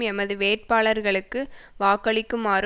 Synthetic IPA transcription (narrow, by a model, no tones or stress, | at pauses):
ɛmɐðɯʋeːʈ̚paːɭɐɾɣɐɭɯkːɯʋaːkɐɭɪkːɯmaːɾ